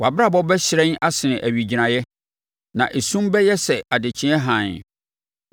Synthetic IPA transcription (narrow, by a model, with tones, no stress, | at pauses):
wa˨ba˦˨bɔ˦bɛ˦ɕɪ˨ɾɛ̃˦n˦a˦sɪ˨nɪ̃˨ʔæ˨ɥi˨d͡ʑi˨ɾã˨jɛ˦ | nã̰˨ʔe˨sũ˦m˦bɛ˦jɛ˦sɛ˨ʔa˨dɪ˨t͡ɕʰɪ̃˦ɛ˦ɦã˨n˨